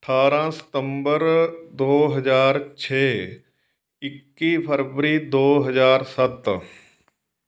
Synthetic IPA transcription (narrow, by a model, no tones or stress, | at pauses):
əʈʰaːɾãsə̥t̪ə̃mbəɾd̪oːɦɐd͡ʒaːɾt͡ʃʰeː | ɪkːipʰəɾʋəɾid̪oːɦɐd͡ʒaːɾsɐt̪